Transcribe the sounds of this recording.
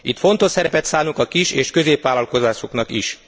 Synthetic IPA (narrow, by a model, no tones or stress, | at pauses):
it̪fo̞nt̪o̞ʃsɛɾɛpɛt̪saːnukɒkiʃeːʃkø̞zeːpʋaːlɒlko̞zaːʃo̞knɒkiʃ